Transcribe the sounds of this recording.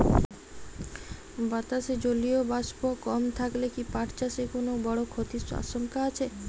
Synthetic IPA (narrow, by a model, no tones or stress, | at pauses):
bat̪aʃed͡ʑoliobaʃbokɔmt̪ʰaklekipaʈt͡ɕaʃekonobɔɽokʰot̪iʃa̰ʃoŋkaat͡ɕʰe